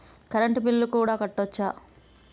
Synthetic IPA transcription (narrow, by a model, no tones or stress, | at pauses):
kɐɾɐɳʈupilːɐlukuːɽaːkɐʈːot͡ʃːaː